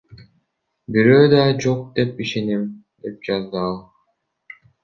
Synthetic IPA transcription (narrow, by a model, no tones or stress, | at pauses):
biɾøːd̪ɑd͡ʒo̞q̚d̪e̞piʃe̞nim | d̪e̞p̚d͡ʒɑzd̪ɯɑlˠ